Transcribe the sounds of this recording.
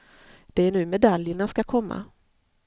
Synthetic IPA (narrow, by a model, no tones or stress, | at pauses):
d̪̥ɛæɳʉ̟ːmɛd̪aljəɳaskakʰɔmːa̰